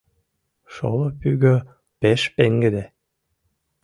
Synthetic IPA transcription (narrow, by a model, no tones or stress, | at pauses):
ʃo̰lopyɣø | peʃpeŋɡəd̪e